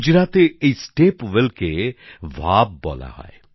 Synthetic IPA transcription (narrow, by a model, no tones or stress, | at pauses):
d͡ʒɾat̪eeisʈepʋelkeʋʱabːɔ̰la̰hɔ̰e